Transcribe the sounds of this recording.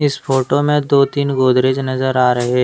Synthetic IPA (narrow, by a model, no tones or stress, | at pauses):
ɪsfoːʈomẽd̪oːt̪iːnɡoːd̪ɾeːd͡ʒnɐzəɾaːɾɐɦeː